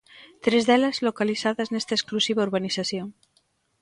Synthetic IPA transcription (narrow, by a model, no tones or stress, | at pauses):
t̪ɾezðelazlokaliθaðaznest̪aesklusiβ̞aoɾβaniθaθjoŋ